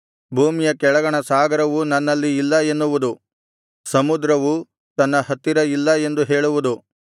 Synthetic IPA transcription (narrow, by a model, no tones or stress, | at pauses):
bʱuːmijɐkɛɭɐɡɐɳɐsaːɡɐɾɐʋunɐnːɐlːiːlːɐe̞nːuʋud̪u | sɐmud̪ɾɐʋu | t̪ɐnːɐɦɐt̪ːiɾɐilːɐe̞nd̪uɦe̞ːɭuʋud̪u